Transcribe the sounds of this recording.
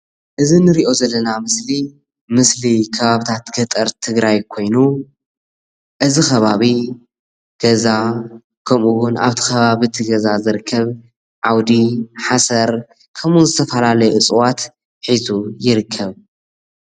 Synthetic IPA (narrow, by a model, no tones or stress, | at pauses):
ʔɨzinɨɾiʔo̞zɐlːɐnamɨsli | mɨslikʰɐβaβit̪ʰat̪ɡɐt̪ʼɐɾt̪ʰɨɡɾajkʰo̞jnu | ʔɨzixɐβaβi | ɡ̥ɐza | kʰɐmʔuwʊnʔa̰βt̪ʰi̥xɐβaβit̪ʰiɡɐzazɨɾɨkʰːɐβ | ʕawd̪iħasɐɾ | kʰɐmunzɨt̪ʰɐfɐlalɐjɛʔɨt͡sʼwat̪ | ħizujɪɾɨkʰːɐβ